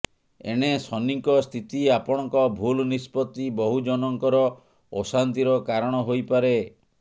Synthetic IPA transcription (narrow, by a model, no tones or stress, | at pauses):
ḛɽ̃esɔniŋkɔst̪ʰit̪iapɔɽ̃ɔŋkɔbʱulnispɔt̪ːibɔɦud͡ʒɔnɔŋkɔɾɔ | ɔsant̪iɾɔkaɾɔɽ̃ɔɦojpaɾe